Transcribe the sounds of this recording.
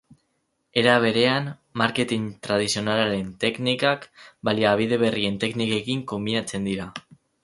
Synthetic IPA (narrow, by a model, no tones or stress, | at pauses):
e̞ɾaβ̞e̞ɾe̞anː | aɾke̞t̪int̪ɾað̞isio̞nalaɾe̞nt̪e̞knikakbaliaβ̞iðe̞βe̞rie̞nt̪e̞knike̞kiŋko̞mbinat͡se̞nd̪iɾa